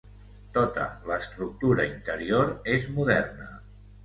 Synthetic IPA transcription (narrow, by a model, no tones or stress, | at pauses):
t̪ot̪ə̰ləːst̪ɾuk̚t̪uɾəint̪əɾioɾezmuðɛrnə̰